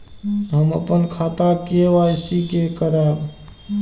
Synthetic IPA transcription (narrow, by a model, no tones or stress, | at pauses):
ɦəmə̰pənkʰat̪akeʋajsikekəɾaɾ